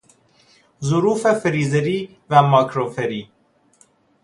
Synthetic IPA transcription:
zʊɾuːfefeɾiːzeɾi | væmɑːkɾofɛɾi

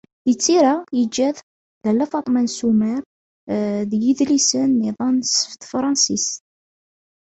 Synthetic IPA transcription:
ət͡sːiɾæjəd͡ʒːæð | ðælːæfɑt̪ˤmænsumæɾ | ðjəðlisənːiðˤɑnsft̪fɾˤɑnsis

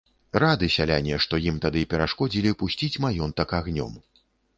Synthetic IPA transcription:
rad̪ɨsʲalʲa̰nʲiɛʂt̪ɔjimt̪ad̪ɨpʲɛɾaʂkɔd͡zʲilʲipusʲt͡sʲit͡sʲmajɔnt̪ɐkaɣnʲɔ̰m

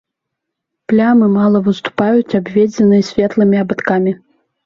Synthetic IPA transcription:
plʲamɨmalˠɐvɨst̪u̥pajut͡sʲabʲvʲed͡zʲɛnɨjɐsʲvʲɛt̪lˠɨmʲiabat̪kamʲi

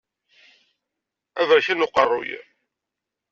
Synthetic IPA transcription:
ævɾçinʊqərˤːʊ̰j

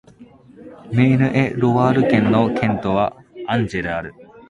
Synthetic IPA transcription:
me̞ːnɯ̟ʔeɾoβaːɾɯ̟kẽ̞nːokʰẽ̞nt̪oβaãɲ̟d͡ʑed̪eaɾɯ̟

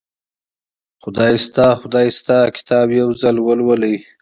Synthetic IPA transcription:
xʊd̪ɑjst̪ɑxʊd̪ɑjst̪ɑkɪ̥t̪ʰɑːbjawzalwəlwəlij

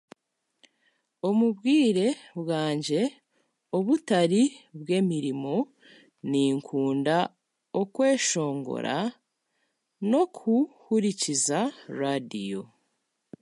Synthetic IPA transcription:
o̞muβɡiːɾe̞βwaːɲɟe̞ | oβutaɾiβwe̞ːmiɾimo̞ | niːŋkʰuːnda | okwe̞ːʃo̞ːŋɡo̞̰ɾa̰ | no̞kʰuhuɾicizaɾadijo

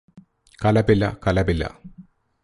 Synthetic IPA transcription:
kɐlɐbilːɐ̰kɐlɐbilːɐ̰

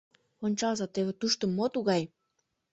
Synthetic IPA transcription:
onʲt͡ɕɑlzɑt̪eβĕt̪uʃt̪ə̆mːot̪uɣɑj

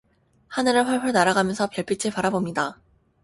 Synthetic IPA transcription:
hanɯɾɯɭɸwaɭɸuɭnaɾaɡamjʌnsʰʌpjʌɭp͈ʰit͡ɕʰepaɾabomɲida

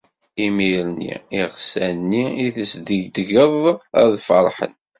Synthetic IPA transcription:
imiɾnḭiʁsænːiiθəsd̪iʝd̪ʝəðˤæ̰ðfəɾˤħə̰n

